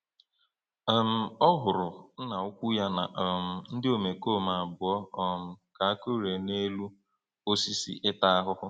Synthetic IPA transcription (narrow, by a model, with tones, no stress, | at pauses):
m̩˨ɔ˦ɦʊ˨ɾʊ˨n̩˦na˨ʊ˦kʷu˦ja˦na̰˨m̩˨n̩˦dɪ˦o˨me˨ko˦˨ma˨bʊ˨ɔ˦ɔ˦m̩˨ka˨a˦ko˦ɾe˨ne˦lu˦ | o˦si˦sḭ˦ʔɪ˦ta˦a˦ɦʊ˦hʊ˦